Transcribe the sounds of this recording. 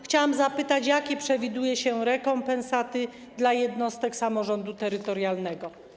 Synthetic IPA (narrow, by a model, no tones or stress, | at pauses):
xt͡ɕawamzapɘt̪at͡ɕjakʲɛpʂɛvʲid̪ujɛɕɛɾɛkɔmpɛñsat̪ɘ | d̪lajɛd̪nɔst̪ɛksamɔʐɔnd̪ut̪ɛɾɘt̪ɔɾjalnɛɡɔ